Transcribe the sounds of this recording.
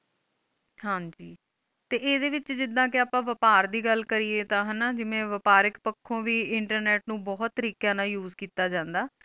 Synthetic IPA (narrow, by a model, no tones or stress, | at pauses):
ɦãːd͡ʒiː | t̪eːʔeːd̪eːʋɪt͡ʃd͡ʒɪd̪ːãːkɪaːpãːʋəpaːɾd̪iːɡəlkəɾiːeːt̪ãːɦənaːd͡ʒɪʋẽːʋəpaːɾɪkpəkʰːõːʋiːɪɳʈəɾnɛːʈnũːbɔːt̪ːəɾiːkjãːnãːjuːzkiːt̪aːd͡ʒãːnd̪aː